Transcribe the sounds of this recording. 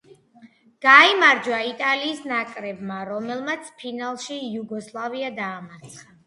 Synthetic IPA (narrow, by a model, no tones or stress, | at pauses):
ɡ̥aimaɾd͡ʒwait̪ʼaliːsnakʼɾɛbmaɾɔmɛlˠmat̪sʰpʰinalˠʃijuɡɔslˠaviad̪aːmaɾt̪sʰχa